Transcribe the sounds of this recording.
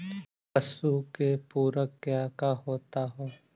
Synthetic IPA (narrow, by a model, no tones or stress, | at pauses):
pəsukepuːɾəkːjaːkaɦoːt̪aɦoː